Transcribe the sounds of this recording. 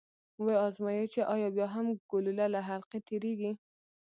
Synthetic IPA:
wejɑzmɑjet͡ʃeʔɑjɑbjɑɦamɡ̥ʊlulalaɦalqet̪ʰiɾiɡi

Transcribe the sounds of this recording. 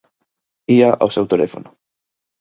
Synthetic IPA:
iaʔa̰sewt̪elḛfo̰nʊ

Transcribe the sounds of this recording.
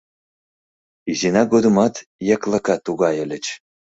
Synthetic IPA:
izinɑɡod̪umɑt̪jɑklɑkɑt̪uɣɑjə̆lʲə̆t͡ɕ

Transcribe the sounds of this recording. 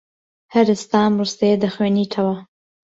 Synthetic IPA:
haɾst̪ɑmɾust̪ed̪əxweniʈʰawa

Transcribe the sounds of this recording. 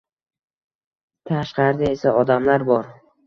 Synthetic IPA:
t̪ʰaʃqɑɾɪd̪aesaɒd̪amlaɾbɒɾ

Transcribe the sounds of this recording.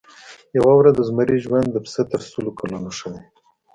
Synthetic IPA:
jawawɾad̪əzmaɾiʒwand̪ːəpset̪əɾsulokalunoʂəde

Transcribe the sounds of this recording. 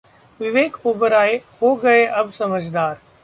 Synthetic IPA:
ʋɪʋeːkoːbəɾaːeɦoːɡɐeʔɐbsɐməd͡ʒd̪aːɾ

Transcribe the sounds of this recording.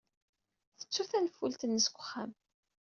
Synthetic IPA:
θə̥t͡sːuθænfult̪ənːəskʷːə̥χːæm

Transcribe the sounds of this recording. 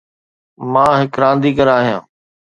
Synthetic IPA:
mãːɦɪkɾãːnd̪iːkəɾaːɦijã̰ː

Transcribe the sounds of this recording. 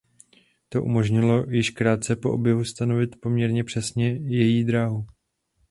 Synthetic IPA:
t̪o̞ʔumo̞ʒɲɪlo̞jɪʃkɾaːt̪̚t͡sɛpo̞ʔobjɛvust̪ano̞vɪt̪po̞mɲɛɾɲɛpr̝̥ɛsɲɛjɛjiːd̪ɾaːɦu

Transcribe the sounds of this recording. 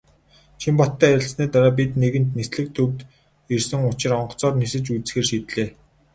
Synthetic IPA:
t͡ɕʰimpɔt̪ːæːɪ̆ɮsniːt̪aɾaːp̬it̪neɣɘ̆n̥t̪nesɮɘ̆k̚t̪ʰɵwt̪ | irsɘ̆ŋʊt͡ɕɪ̆rɔɴɢ̆t͡sɔːrnesɘ̆t͡ɕut͡sxeːrʃiːt̪ɮeː

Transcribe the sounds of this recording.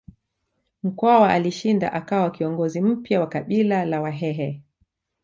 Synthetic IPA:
m̩kwawaʔaliʃinda̰ʔakawakiɔŋɡɔzim̩pjawakaɓilalawaɦɛɦɛ

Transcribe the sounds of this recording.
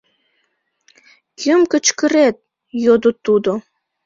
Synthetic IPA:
jəmkə̆t͡ʃkə̆ɾet̪̚ | jod̪ot̪ud̪o

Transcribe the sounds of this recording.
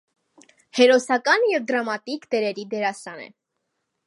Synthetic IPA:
hɛɾɔsɑkɑnjɛvd̪ɾɑmɑt̪ikt̪ɛɾɛɾid̪ɛɾɑsɑnɛ̰

